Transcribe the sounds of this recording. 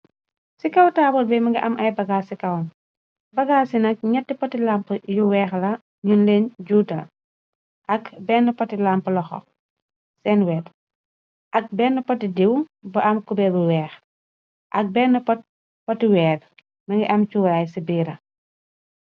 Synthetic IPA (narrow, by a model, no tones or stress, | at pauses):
sikɐwtaːbɔlbɛmɐŋɡiʔɐmʔɐjbɐɡaːsikɐwn | bɐɡaːsinɐk̚ɲɛtːipɔtilampjuwɛːxlɐ | ɲunlɛːnɟuːtɐ | ʔɐkbɛːnːɐpɔtilamplɐxɔ̰ | sɛnwɛːt | ʔɐk̚bɛːnːəpɔtidiwbɐʔɐmkubɛbuwɛːx | ʔɐk̚bɛːnːɐpɔt̚ | pɔtiwɛːr | mɐŋɡiʔɐmt͡ʃuɾajsibiːɾɐ